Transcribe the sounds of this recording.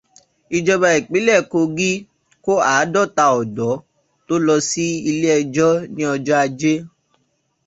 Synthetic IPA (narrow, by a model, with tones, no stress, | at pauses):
i˧d͡ʒɔ˧ba˧i˨k͡pe˨˦lɛ˦˨ko˧ɡi˦ | ko˦aː˨˦dɔ˦˨ta˧ɔ˨dɔ˨˦ | to˦lɔ˧si˦i˧le˦ɛ˧d͡ʒɔ˦nĩ˦ɔ˧d͡ʒɔ˦a˧d͡ʒe˦